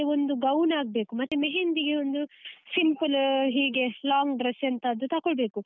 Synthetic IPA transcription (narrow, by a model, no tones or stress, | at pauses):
eond̪uɡɐwnaːɡ̚be̞ːkumɐt̪ːumeɦend̪iɡeond̪usimpɨlɦiːɡe̞laːŋɡɖɾɐsɐnt̪ɐːd̪ːut̪ɐkoɭbe̞ːku